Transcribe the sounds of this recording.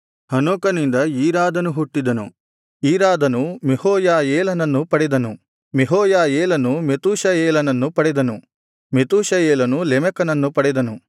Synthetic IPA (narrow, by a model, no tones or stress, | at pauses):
hɐnoːkɐnind̪ɐiːɾaːd̪ɐnuɦuʈːid̪ɐnṵ | iːɾaːd̪ɐnumehoːjaːjeːlɐnɐnːupɐɽɛd̪ɐnu | meɦoːjaːjeːlɐnumet̪uːʃɐjeːlɐnɐnːupɐɽɛd̪ɐnu | met̪uːʃɐjeːlɐnulɛmɛkɐnɐnːupɐɽɛd̪ɐnu